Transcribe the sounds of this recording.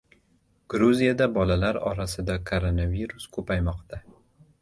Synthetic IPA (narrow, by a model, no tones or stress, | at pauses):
ɡ̥ɾuzijad̪abɒlalaɾɒ̰ɾasɪd̪akʰoɾonaviɾʊskʰɵpajmɒqt̪ʰa